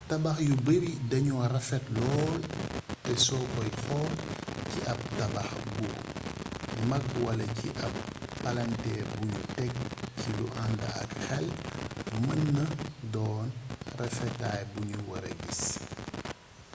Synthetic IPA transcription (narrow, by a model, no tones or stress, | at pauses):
tɐbɐxjubəɾidɐɲuwɐrɐfɛtlɔːltɛsɔbɔjxɔːlciʔɐb̚tɐbɐxbu | mɐk̚wɐlɐciʔɐp̚ːɐlɐntɛbuɲṵtɛk̚ciluʔandɐ̰ɐ̰kxɛl | mɐnːɐdɔːnrɛfɛtajbuɲuwɐ̰ɾɐ̰ɡis